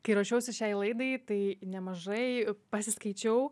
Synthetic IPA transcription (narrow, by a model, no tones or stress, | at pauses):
kɐɪɾoːʃʲɛʊsʲɪʃʲɛɪlˠɐɪd̪ɐɪt̪ɐɪnʲɛmɐʒɐɪpɐsʲɪskɐɪt͡ʃʲɛʊ